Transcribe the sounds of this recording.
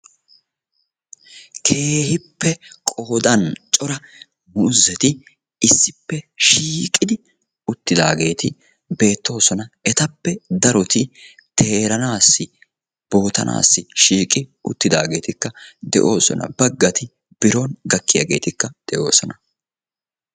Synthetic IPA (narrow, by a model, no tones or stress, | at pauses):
kʰe̞ːhɪpːɛkʼoːd̪ɐnt͡ʃʼɔɾɐ | mʊʊzːɛt̪ɪ | ɪsːɪpːɛʃiːkʼːɪd̪ɪ | ʊt̪ːɪd̪aːɡe̞ːt̪ɪ | be̞ːt̪ːo̞ːsɔnɐɛt̪ɐpːɛd̪ɐɾɔt̪ɪ | t̪ʰe̞ːɾɐnaːsːɪ | b̥o̞ːt̪ɐ̰nʔa̰ːsːɪʃiːkʼɪʊ̰t̪ːɪd̪aːɡe̞ːt̪ɪkːɐd̪ɛ̰ʔo̞ːsɔ̰nɐ̰bɐɡːɐt̪ɪ | b̥ɪɾoːnɡɐkːɪja̰ɡe̞ːt̪ɪkːɐd̪̥ɛʔo̞ːsɔnɐ